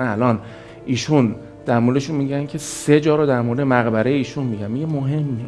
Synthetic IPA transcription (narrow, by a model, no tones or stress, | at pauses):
ænælɒːn | ʔiːʃun | d̪̥æɾmoɾd̪eʃunmiɟæncʰe̞se̞d͡ʒɒːɾod̪æɾmoɾd̪e̞mæɣbæɾejeiːʃunmiɟæmmiɟemoɦemːie